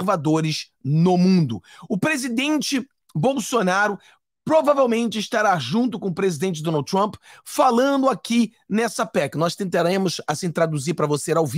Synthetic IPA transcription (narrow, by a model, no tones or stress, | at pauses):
vad̪oɾɪz | nʊmũnd̪ʊʊpɾezid̪ẽnt͡ʃɪ | bowsonaɾʊ | pɾovavewmẽnt͡ʃɪːʃt̪aɾaʒũnt̪ʊkõʊpɾezid̪ẽnt͡ʃɪd̪õnawd̪̚t̪ɾɐ̃mpfalɐ̃nd̪ʊaki | nɛsɐpɛkɪnɔst̪ẽnt̪aɾẽmʊsasĩt̪ɾad̪uziɾpɾɐvoseɾawvi